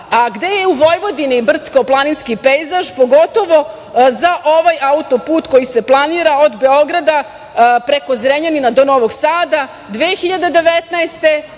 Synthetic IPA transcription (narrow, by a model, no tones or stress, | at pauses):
aɡd̪e̞jeuʋo̞jʋo̞d̪inibr̩t̪skoplˠaninskipejzaʒpoɡo̞t̪o̞ʋo̞ | zaʔo̞ʋajaut̪opuːt̪ko̞jise̞plˠaniːɾaod̪be̞o̞ɡɾad̪a | pɾeko̞zɾeɲeninad̪o̞noʋoɡsaːd̪a | d̪ʋeːxiʎad̪ed̪e̞ʋet̪naest̪e̞